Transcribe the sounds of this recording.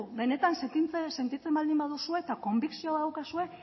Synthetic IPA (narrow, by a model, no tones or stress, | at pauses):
uβe̞ne̞t̪anseit͡sese̞nt̪it͡se̞mald̪imbaðusue̞t̪ako̞mbiksio̞aawkasue̞